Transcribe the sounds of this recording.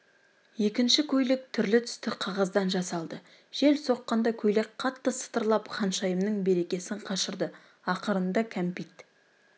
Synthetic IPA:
je̞kʲɪnʃɪkʲʰɵjlɪk̚t̪ʰʏɾlɪt̪ʰʏ̥st̪ɪqʰɑʁɑzd̪ɑnʒɑsɑlˠd̪ə | ʒ̥e̞lso̞qːɑnd̪ɑkʲʰɵjlek̚qʰɑt̪ːəsə̥t̪əɾlˠɑpχɑnʃɑjəmnəɴbe̞ɾe̞kʲe̞sɪɴqʰɑʃəɾd̪ə | ɑqəɾənd̪ɑkʲʰæmpijt̪

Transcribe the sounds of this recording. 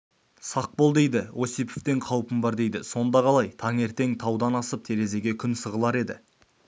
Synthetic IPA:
sɑq̚bo̞lˠd̪e̞jd̪ɪwo̞sijpeft̪e̞ɴqʰɑwpəmbɑɾd̪e̞jd̪ɪso̞nd̪ɑʁɑlˠɑjt̪ʰɑŋe̞ɾt̪e̞ŋt̪ʰɑwd̪ɑnɑsəp̚t̪ʰe̞ɾe̞ze̞ɡʲe̞kʲʰʏnsəʁəlˠɑɾe̞d̪ɪ

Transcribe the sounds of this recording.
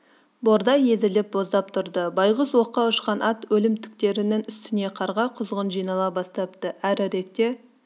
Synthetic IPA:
bo̞ɾd̪ɑje̞zɪlɪp̚bo̞zd̪ɑp̚t̪ʰʊɾd̪əbɑjʁəswo̞qːɑʊʃqɑnʔɑt̪wɵlɪmt̪ʰɪ̥k̚t̪e̞ɾɪnɪŋʏst̪ɪne̞qʰɑɾʁɑqʰʊzʁənʒijnɑlˠɑbɑst̪ɑp̚t̪əæɾæɾe̞kt̪e̞

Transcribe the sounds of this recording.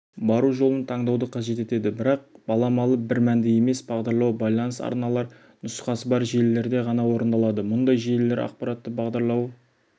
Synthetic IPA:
bɑɾuʒo̞lˠənt̪ʰɑɴd̪ɑwd̪əqʰɑʒe̞t̪e̞t̪e̞d̪ɪbɪɾɑq̚b̥ɑlˠɑmɑlˠəp̚bɪɾmænd̪ɪje̞me̞sbɑʁd̪ɑɾlˠɑwbɑjlˠɑnəsɑ̰ɾnɑlˠɑɾ | nʊsqɑsəbɑɾʒelːe̞ɾd̪e̞ʁɑnɑwo̞ɾənd̪ɑlˠɑd̪əmʊnd̪ɑjʒeelːe̞ɾɑ̰qpɑɾat̪ːəbɑʁd̪ɑɾlˠɑw

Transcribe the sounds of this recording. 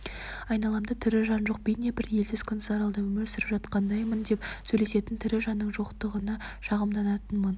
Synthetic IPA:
ɑjnɑlˠɑmd̪ɑt̪ʰɪɾɪʒɑnʒo̞q̚bejnebɪɾje̞ld̪ɪz̥kʲʰʏnzɑɾɑlˠd̪ɑwɵmɵlsɪɾɪpʒɑt̪qɑnd̪ɑjmənd̪e̞psɵjle̞se̞t̪ɪnt̪ʰɪɾɪʒɑnːəɴʒo̞qt̪əʁənɑʃɑʁəmd̪ɑnɑt̪ənmən

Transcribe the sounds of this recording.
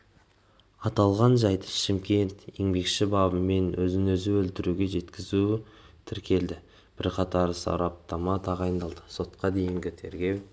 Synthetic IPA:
ɑt̪ɑlˠʁɑnʒɑjd̪ə̥ʃɪmkʲe̞nt̪e̞̰ŋbe̞kʃɪbɑbəmːe̞nwɵzɪnɵzɪwɵlt̪ɪɾuɡʲe̞ʒe̞t̪kʲɪzut̪ʰɪɾkʲʰe̞ld̪ɪ | b̥ɪɾqʰɑt̪ɑɾsɑ̰ɾɑp̚t̪ɑmɑt̪ʰɑʁɑjnd̪ɑlˠd̪əso̞t̪qɑd̪e̞jɪŋɡʲɪt̪ʰe̞ɾɡʲe̞w

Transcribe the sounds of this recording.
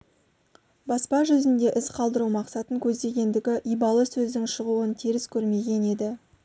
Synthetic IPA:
bɑspɑʒʏzɪnd̪e̞ʔɪsqʰɑlˠd̪əɾumɑqsɑt̪əŋkʲʰɵzd̪e̞ɡʲe̞nd̪ɪɡʲɪʔijbɑlˠəsɵzd̪ɪŋʃəʁuwənt̪ʰiɾɪskʲʰɵɾme̞ɡʲe̞ne̞d̪ɪ

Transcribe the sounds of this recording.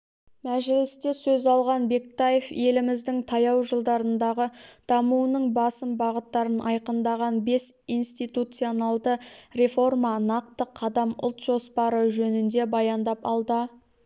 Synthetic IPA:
mæʒɪlɪst̪e̞sɵzɑlˠʁɑnbe̞kt̪aje̞fje̞lɪmɪzd̪ɪŋt̪ʰɑjɑwʒəlˠd̪ɑɾənd̪ɑʁəd̪̥ɑmuwənəɴbɑsəmbɑʁət̪ːɑɾənʔɑ̰jqənd̪ɑʁɑnbe̞sijnst̪ijt̪ut̪sijo̞nɑlˠd̪əɾe̞fo̞rmɑnɑq̚t̪əqʰɑd̪ɑmʊ̰lˠt̪ʒo̞spɑɾəʒɵnɪnd̪e̞bɑjɑnd̪ɑpɑlˠd̪ə

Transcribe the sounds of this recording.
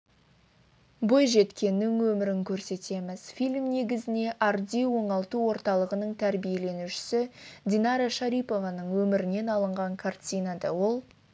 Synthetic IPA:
bo̞jʒe̞t̪kʲe̞nːɪŋwɵmɪɾɪŋkʲʰɵɾse̞t̪e̞mɪz̥filʲmne̞ɡʲɪzɪne̞ʔard̪ʲijwo̞ɴɑlˠt̪uwo̞ɾt̪ɑlˠəʁənəɴt̪ʰæɾbije̞le̞nuʃɪ̥sɪd̪ʲinɑɾaʃɑɾijpo̞vɑnəɴwɵmɪɾɪne̞nɑlˠəɴʁɑɴkʰart̪ʲinɑd̪ɑwo̞lˠ

